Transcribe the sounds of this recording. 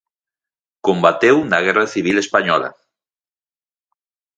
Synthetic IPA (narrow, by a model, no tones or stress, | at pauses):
kombat̪ewnaɣ̞ɛraθiβ̞ilespaɲɔla̰